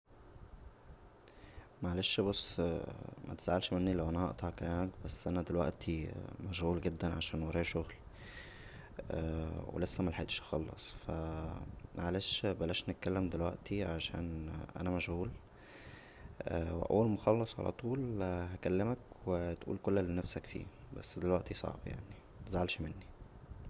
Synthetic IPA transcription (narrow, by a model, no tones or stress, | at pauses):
mæʕaleʃbosˤː | mʔæ̰t̪e̥saʕelʃmenːilæwʔænæhɑ̰ʔt̪ˤɑhɑkælæːmæk̚bæsːʔænæd̪elwæ̰ʔt̪ʰimæʃhuːlɡed̪ːænʕaʃæːnwɑɾˤɑːʃoɣl | wḛlesːæmælħet̪ʃɑ̥xɑlːɑ̰sˤfæ | ʕalæːʃbælːæʃnet̪̚kælːemd̪elwæ̰ʔt̪iʕaʃæ̰ːnʔæ̰næmæʃhuːl | ʔæːwḛʔæ̰wːælmoxɑlːɑsˤʕa̰læ̰t̪ˤuːlhækælːemækwet̪ʔṵːlkolːælːiːnæfsækfḭː | bæ̰sːd̪elwæʔt̪isˤɑ̰ʕbja̰ʕni | zʕalʃmenːi